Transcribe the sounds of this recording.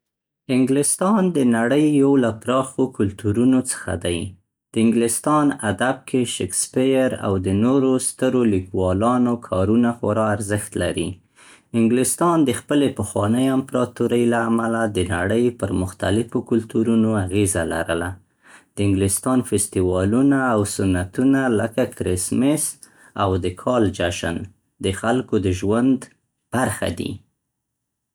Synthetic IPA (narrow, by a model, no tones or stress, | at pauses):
ɪŋɡlɪst̪ɑnd̪ənaɽəjːawlapɾɑxokʊlt̪uɾunot͡sə̥xa̰d̪aj | d̪̥əɪŋɡlɪst̪ɑnad̪ab̚kʰeʃekspɪjɾa̰wd̪ənoɾost̪əɾolikwɑlɑnokʰɑɾunaxʊ̰ɾɑaɾzəxt̪la̰ɾḭ | ɪŋɡlɪst̪ɑnd̪əxpəlepəxwɑnəjampɾɑt̪uɾəjlaːmalad̪ənaɽəjpəɾmʊxt̪alɪfokʊlt̪uɾunoaɣezala̰ɾəla | d̪̥əɪŋɡlɪst̪ɑnfɪst̪iwɑlunaːwsʊnːat̪unaləkakɾɪsmɪs | awd̪əkʰɑld͡ʒaʃa̰n | d̪əxalkod̪əʒwand̪ | b̥aɾxa̰d̪ḭ